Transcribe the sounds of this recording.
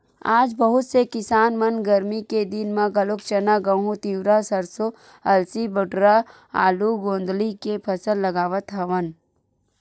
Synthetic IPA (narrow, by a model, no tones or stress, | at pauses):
aːd͡ʒbɐɦʊt̪sekɪsaːnmɐnɡɐɾmiked̪ɪnmãɡɐlok̚t͡ʃɐnaɡɐ̃ɦũt̪iːwɾasɐɾso | ɐlsibəʈɾa | a̰ːluɡõːnd̪likepʰɐsəlːɐɡaːʋət̪ɦɐʋən